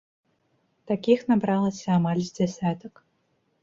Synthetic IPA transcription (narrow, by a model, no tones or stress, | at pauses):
t̪akʲixnabɾalˠɐsʲɐamalʲzʲd͡zʲɛsʲat̪ək